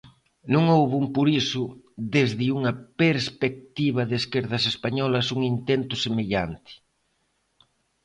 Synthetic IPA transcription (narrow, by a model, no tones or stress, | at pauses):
nũŋowβumpuɾisʊ | ðezðɪuŋɐpeɾspek̚t̪iβɐðeskeɾðɐsespaɲɔlɐsuŋint̪ent̪ʊsemeʎa̰nt̪ɪ̥